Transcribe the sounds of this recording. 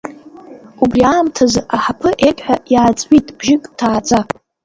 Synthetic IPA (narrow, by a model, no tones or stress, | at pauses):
ubriaːmtʰazɨʔaħapʰɨʔetħʷᶣajaːt͡sʼʕitʼb̥ʒɪkʼtʰaːt͡sʼa